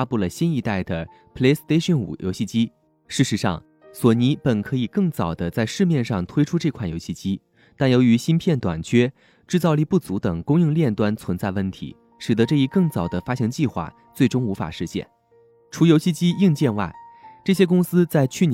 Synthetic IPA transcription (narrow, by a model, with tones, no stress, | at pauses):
a˥pu˥˩lə˩ɕi˥ni˧˥t̪a˥˩ɪd̪ə˩ | pʰle˥st̪e˥ɪʂə˥˩nṵ˨˩jʔo̰˧˥ɕi˥˩t͡ɕi˥ | ʂɻ̩˥˩ʂɻ̩˧˥ʂɑ̰˥˩ŋ | swɔ˨˩ni˧˥pə˨˩nkʰɤ˧˥i˨˩kɤ˥˩ŋt͡sɑ˨˩ʊd̪ə˦t͡sa˥˧ɪʂɻ̩˥˧mjɛ˥˧nʂɑ˥˩ŋt̪ʰwe˥ɪʈ͡ʂʰu˥ʈ͡ʂɤ˥˧kʰwa˥˩njo˧˥ʊɕi˥˩t͡ɕi˥ | t̪a˥˩njo˧˥ʊy˧˥ɕi˥npʰjɛ˥˩nt̪wa̰˨˩nt͡ɕʰɥɛ˥ | ʈ͡ʂɻ̩˥˧t͡sɑ˥˧ʊli˥˧pu˥˩t͡su˧˥t̪ɤ˨˩ŋkʊ˥ŋji˥˧ŋljɛ˥˩nt̪wa˥nt͡sʰwə˧˥nt͡sa˥˧ɪwə˥˩nt̪ʰḭ˧˥ | ʂɻ̩˨˩ə˧˦ʈ͡ʂɤ˥˧i˥˩kɤ˥˩ŋt͡sɑ˨˩ʊd̪ə˦fa˥ɕɑ˧˥ŋt͡ɕi˥˧xwa̰˥˩ | t͡swe˥˩ɪʈ͡ʂʊ˥ŋu˧˥fa̰˨˩ʂɻ̩˥˧ɕjɛ̰˥˩n | ʈ͡ʂʰu˧˥jo˧˥ʊɕi˥˧t͡ɕi˥i˥˧ŋt͡ɕjɛ˥˧nwa˥˩ɪʈ͡ʂɤ˥˩ɕjɛ˥kʊ˥ŋsɹ̩˥t͡sa˥˧ɪt͡ɕʰy˥˩n